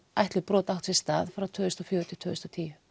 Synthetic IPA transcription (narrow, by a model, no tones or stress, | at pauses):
ajht̪lɪpɾɔːt̪aw̥t̪sɪst̪aːðfɾawt̪ʰœːʏst̪ɔfjɔːɾʏt̪ʰɪt̪ʰœːʏst̪ɔt̪ʰiːjʏ